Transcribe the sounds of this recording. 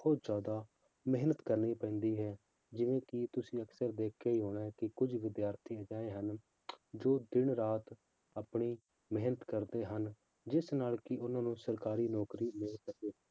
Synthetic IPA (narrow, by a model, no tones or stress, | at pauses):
bʰɔːt̪zjaːd̪aː | mɪɦnət̪kəɾniːpɛ̃ːnd̪iːɦɛː | d͡ʒɪʋẽːkɪt̪ʊsĩːəksəɾd̪eːkʰeːiːɦoːɽ̃aːɦkɪkʊd͡ʒʋɪd̪jaːɾt̪ʰiːəd͡ʒaːeːɦən | d͡ʒoːd̪ɪnɾaːt̪ | aːpɳiː | məɦnət̪kəɾd̪eːɦən | d͡ʒɪsnaːlkɪʔʊnãːnũːsəɾkaːɾiːnɔːkɾiːmɪlsəkeː